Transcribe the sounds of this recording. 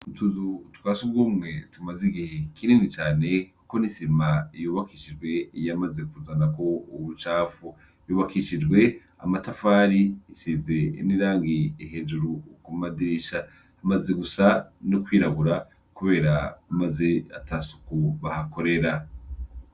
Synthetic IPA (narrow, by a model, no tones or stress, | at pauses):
utuzutkwaːsub̚ɡuːmŋe̞tumaziɡihekʰininit͡ʃaːne̞ku̥ko̞nisimajuːβakiʃid͡ʒɡwe̞jamazekuzanako̞uβut͡ʃaːfu | juːβakiʃid͡ʒɡwe̞ | a̰matafaːɾiisize̞niɾaːŋɡiiɦe̞ːd͡ʒuɾukumadiiʃa | hamaze̞ɡusanukwiːɾaβuɾa | kuβe̞ːɾamaze̞a̰tʰasu̥kuβahako̞ɾe̞ɾa